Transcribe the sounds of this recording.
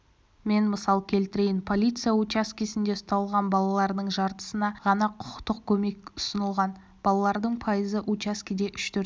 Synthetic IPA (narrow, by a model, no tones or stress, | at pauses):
me̞nməsɑlˠkʲʰe̞lt̪ɪɾe̞jɪnpʰo̞lʲijt̪sɨjaut͡ʃaskʲijsɪnd̪e̞ʊst̪ɑlˠʁɑnbɑlˠɑlˠɑɾd̪əɴʒɑɾt̪ə̥sənɑʁɑnɑqʰʊ̥qə̥qt̪əq̚kʲʰɵme̞kʲʊ̥sənəlˠʁɑn | b̥ɑlˠɑlˠɑɾd̪əɴpʰɑjəzəʔut͡ʃaskʲid̪e̞ʔʏʃt̪ʰɵɾ